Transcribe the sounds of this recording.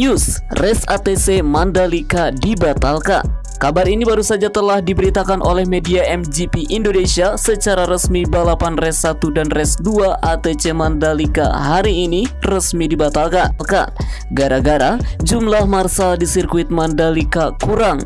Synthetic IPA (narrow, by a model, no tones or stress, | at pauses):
jusrɛsat̪esemandalikadibat̪alka̰n | kabarinibaɾusad͡ʒat̪əlahdibəɾit̪akanʔo̰lɛhmediaɛmd͡ʒipiʔindonesiasət͡ʃaɾaɾəsmibəlapanrɛsːat̪udanrɛsduaʔat̪et͡ʃemandalika̰ɦaɾiːnirəsmidibat̪alkalka̰n | ɡaɾaɡaɾad͡ʒumlahmarsadisirkuɪt̪̚mandalikakuɾaŋ